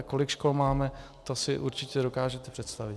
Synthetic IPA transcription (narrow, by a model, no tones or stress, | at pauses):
ko̞lɪkʃkolmaːmɛt̪osɪʔuɾt͡ʃɪcɛdo̞kaːʒɛt̪ɛpr̥ɛt̪st̪avɪ